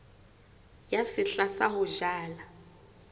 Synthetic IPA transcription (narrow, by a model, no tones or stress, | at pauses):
jasɪɬasaɦʊʒaːla